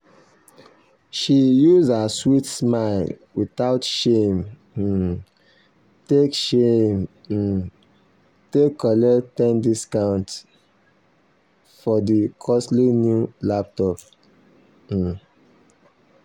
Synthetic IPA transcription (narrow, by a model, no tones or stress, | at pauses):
ʃijuzaswitsmaɪlwiθaʊtʃem̩ | tekʃem̩ | tekːɔlɛtɛ̃ndiskãʊ̃nt | fɔdikʰɔstlinjulap̚tɔp